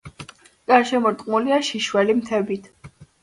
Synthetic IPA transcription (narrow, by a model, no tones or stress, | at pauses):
ɡ̥aɾʃɛmɔɾt̪ʼqʼmuliaʃiʃwɛlimt̪ʰɛbit̪ʰ